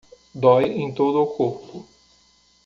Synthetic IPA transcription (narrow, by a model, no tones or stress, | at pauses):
d̪ɔjẽj̃t̪od̪ʊːkoɾpʊ